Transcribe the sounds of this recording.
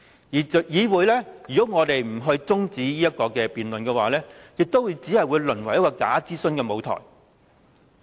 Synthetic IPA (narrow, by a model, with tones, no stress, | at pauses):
jiː˨˩˨jiː˨˧wuː˨˧jlɛː˥jyː˨kɔ˨˥wŋɔː˨˧t̪e˨jm̩˨˩ɦɵ˧ɥt͡sʊ˥ŋt͡siː˨˥jiː˥jɐ˥t̚kɔː˧kɛː˧piː˨nlɵ˨nkɛː˧waː˨lɛː˥jɪ˨k̚t̪o˥wuː˨˧jt͡siː˨˥hɐ˨jwuː˨˧jlɵ˨˩nwɐ˨˩jkɔː˧ka̰ː˨˥t͡siː˥sɵ˧nkɛː˧mo˨˧wt̪ʰɔ̰ː˨˩j